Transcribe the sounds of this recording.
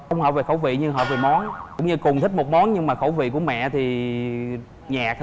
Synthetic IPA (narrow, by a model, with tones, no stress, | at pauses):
ə˧wŋ͡mɦɔ̰ː˧˨ve˨˩xəo˧˩˦wvḭ˧˨ɲɨ˧ŋɦɔ̰˧˨ve˨˩mɔ˨˦nkʊ̰˧˥ŋ͡mɲɨ˧kʊ˨˩nt̪ʰï˦˥k̚mo˨˩t̚mɔ˨˦nɲɨ˧ŋmaː˨˩xə˧˩˦wvḭ˧˨ku˧˩əmɛ̰˧˨t̪ʰi˨˩ | ɲaː˨˩k̚